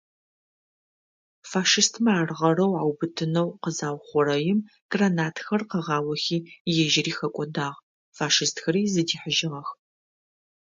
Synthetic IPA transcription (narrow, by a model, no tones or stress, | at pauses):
faːʃɨstʰmɐaːrʁɐɾɐwʕawbɨtʰɨnɐwqəzaːwχʷɔɾɐjɪm | ɡ̥ranaːtxɐrqɐʁɑːwɐxiːjɛʒɪriːxɐkʷʼɔdaːʁ | faːʃɨstxɐɾiːzɨdiːħəʒɪʁɐx